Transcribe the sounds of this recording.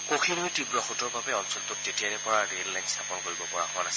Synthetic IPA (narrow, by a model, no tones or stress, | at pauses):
koxʰinojtibɹɔxutɔɹbabɛɔnsɔltʊt̚tetiaɹɛpɔɹaɹellajnsapɔnkoɹibɔpɔɹa̰kʊwanasɛ